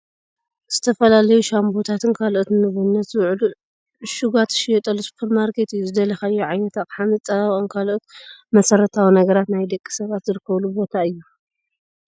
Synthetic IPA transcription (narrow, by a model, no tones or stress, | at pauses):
z̥ɨt̪ʰɐfɐlalɐjuʃambot̪ʰat̪ʰɨnkʰalʔot̪nɨβunːɐt̪zɨwʕlu | ʃuɡat̪ʃjɛt̪ʼɐlusu̥pʰɐɾmaɾkʰe̞t̪ɨjːuzɨd̪ɐlɐxaɨjːuʕajnɐt̪ʰat̪ħant͡sʼɐβaʔʼonkʰalʔot̪̚mɐsɐɾɐt̪ʰawinɐɡɐɾat̪najd̪ɐkʼːi̥sɐβat̪zɨɾɨkʰːɐβlubo̞t̪ʰaɨjːu